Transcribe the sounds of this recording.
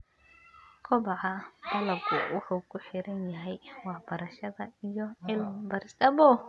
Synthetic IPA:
kʰɔbɑʕɐbɐlɐbɡʰʊwʊħukʰʊħɪɾɐnjɐɦɛjwɑħbɐɾɐʃɐðɐijɔʕɪlmbɐɾɪst̪ɐbɔ

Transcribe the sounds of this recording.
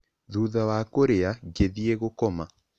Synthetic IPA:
ðuːðawakoɾeaɡeðieɣokɔma

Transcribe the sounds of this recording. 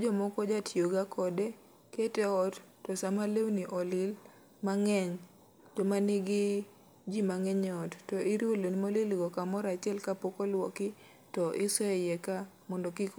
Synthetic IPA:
d͡ʒɔmɔkɔd͡ʒatʰjoɡakʰɔdɛ | ketɛɔtːɔsamalewniʔɔlɪl | maŋɛɲ | d͡ʒɔmanɪɡɪ | d͡ʒimaŋɛɲɔtːɔʔɪɾolonimolelɡɔkamɔɾat͡ʃɪɛlkapokɔlwɔkɪ | tɔʔɪsɔɛjɛka | mɔndɔkɪk

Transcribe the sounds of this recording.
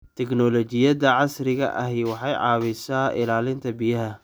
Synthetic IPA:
t̪ʰɛknɔlɔt͡ʃɪjɐðɐʕɑsrɪɣɐ̰ʔɐɦɛjwɑħɑjʕɑ̰ːβɪsaːʔɪlaːlɪnt̪ʰɐbɪjɐɦɐ

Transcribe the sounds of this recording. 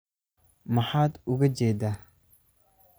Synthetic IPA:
maħat̪uɡad͡ʒeda

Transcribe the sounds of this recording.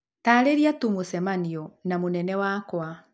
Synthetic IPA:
taːɾeɾiatumosɛmaniɔnamonɛnɛwakwa

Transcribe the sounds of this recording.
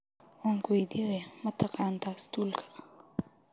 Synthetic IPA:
wɔːŋkʰwɛjd̪iɾɛmɐt̪ʰɑqɑːnt̪ʰast̪ʰuːlkʰɐ̥

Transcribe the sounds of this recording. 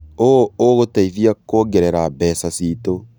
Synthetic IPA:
ooɣotaiðiakoɡeɾeɾabɛsasiːto

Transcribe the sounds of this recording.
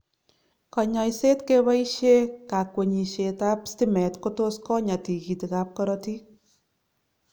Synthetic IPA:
kɑɲɔjsetkeβaiʃekakweɲiʃetapstimɛtkotoskɔɲatikitikap̚kɔɾɔti

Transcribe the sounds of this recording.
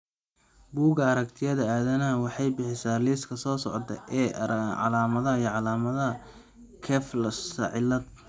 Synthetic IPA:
buːɣɐɐɾɐkt̪ʰɪjɐðɐaːðɐnɐwɑħɑjbɪħɪsaːliːskʰɐsɔːsɔ̰ʕt̪ʰɐ̰ʔɛːʕɑ̰laːmɐðɐɦɐijʕɑlaːmɐðɐɐ | kʰɛːflɐsɐ̰ʕɪlɐd̪̚

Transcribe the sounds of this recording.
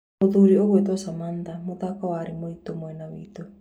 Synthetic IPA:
ot̪uɾioβwet̪osamand̪amot̪akaoaɾimoit̪omoenawḭt̪o

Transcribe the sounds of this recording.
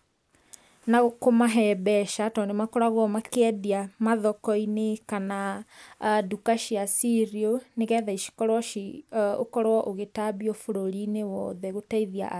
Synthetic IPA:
naɣokomaɦɛbɛʃatɔndemakɔɾaɣwɔmakeɛdiamaðɔkɔinekana | dukaʃiasiɾioneɣɛðaiʃi̥kɔɾwɔʃio̰kɔɾwɔʔoɣetabiɔfoɾoɾinewɔðɛɣotaiðia̰ʔ

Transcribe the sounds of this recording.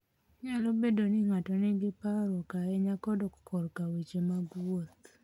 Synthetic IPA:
ɲalɔbedonɪŋatɔnɪɡɪpaɾokaɛɲakɔdɔkkʰɔɾkawet͡ʃemaɡwot̪

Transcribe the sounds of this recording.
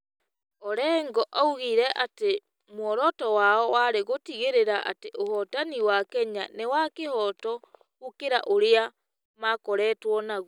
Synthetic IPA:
ɔɾɛŋɡɔʔauɣiɾɛʔate | mwɔɾɔtɔwaɔwaɾeɣotiɣeɾeɾaʔa̰teʔohɔtaniwakɛɲanewakehɔtɔ | ukeɾaʔoɾea | makɔɾɛːtwɔnaɣ

